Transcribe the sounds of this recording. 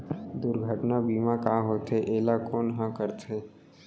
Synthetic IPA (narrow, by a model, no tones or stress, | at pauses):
d̪ʊɾɡʱəʈnabiːmakaːɦoːt̪eʔeːlakɔːnɦãkəɾt̪eː